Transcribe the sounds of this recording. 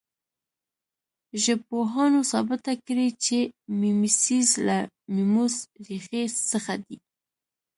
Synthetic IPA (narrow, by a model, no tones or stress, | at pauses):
ʒəpoɦɑnosɑbɪt̪akɾit͡ʃemimisizla | mimusɾixesəxad̪i